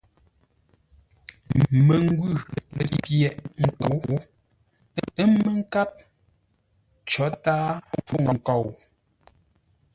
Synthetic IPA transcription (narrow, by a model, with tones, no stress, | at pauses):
me˨ŋ˦ɡʉ˦˨le˨i˦pjɛ˨ʔŋ̩˨kɔ˨˦w | ə˦me˦ŋ̩˦ka˦p̚ | t͡ʃɔ˨˦taː˦fɔ˦ŋɔ˨ŋ˨kɔ˨w